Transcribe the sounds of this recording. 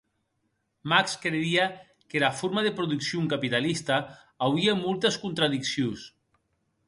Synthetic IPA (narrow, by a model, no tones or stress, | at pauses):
makskɾeia | kelafoɾmaðepɾuðuksjouŋkapit̪alist̪a | awiamolˠt̪eskunt̪ɾaðiksjos